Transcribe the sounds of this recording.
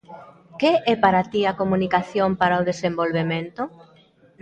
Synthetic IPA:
keɛpaɾat̪iakomũnikaθjompaɾaoðesembolβemẽnt̪ʊ

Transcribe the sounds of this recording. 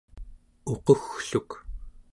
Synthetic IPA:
o̞qoxɬuk

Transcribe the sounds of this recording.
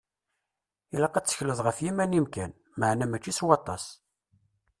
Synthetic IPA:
ilɑqːæt͡sːə̥çləðˤʁəfjimænimkæn | məʕnæmæt͡ʃːiswɑt̪ˤːɑ̰s

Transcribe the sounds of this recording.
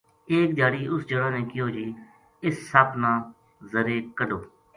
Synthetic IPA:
eːkd͡ʒ̪aːɽiːʊsd͡ʒəɽãːnẽːkɪjoːd͡ʒiː | ɪsːəpnãː | zəɾeːkəɖoː

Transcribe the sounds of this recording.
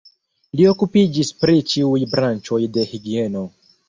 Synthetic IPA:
lio̞kupid͡ʒispɾit͡ʃiujbɾant͡ʃo̞jde̞hiɡie̞no̞

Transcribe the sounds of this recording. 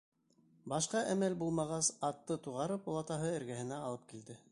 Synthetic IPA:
bɑʃqɑʔæmælbulˠmɑʁɑsɑt̪ːɤt̪uʁɑɾɤpolˠɑt̪ɑɦɤɘ̆ɾɡæhɘ̆næɑlˠɤp̚kild̪ɘ

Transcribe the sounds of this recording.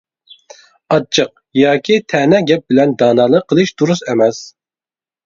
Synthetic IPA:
ɑt͡ʃʰːəq̚jɑːkʲʰit̪ʰɛnɛɡʲɛp̚bɪlɛnd̪ɑːnɑːlˠəqʰːəlˠɨʃd̪̥uɾusɛmɛs

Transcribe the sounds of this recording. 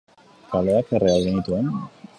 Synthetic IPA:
kaloakerʔealɣenit̪uen

